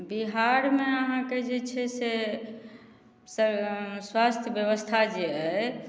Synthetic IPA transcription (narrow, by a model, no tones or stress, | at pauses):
biɦaɾmeəɦãked͡ʒet͡ʃʰɛse | səswast̪ʰjəbjəβəst̪ʰad͡ʒeə